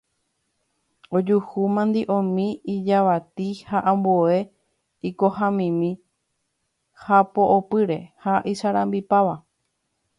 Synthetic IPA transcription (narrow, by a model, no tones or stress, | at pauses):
od͡ʒuhumãnd̪iʔõmĩid͡ʒaʋat̪ihaʔãmboe̞ | iko̞hãmĩmĩ | hapoʔopɨɾe̞haʔiʃaɾãmbipaʋa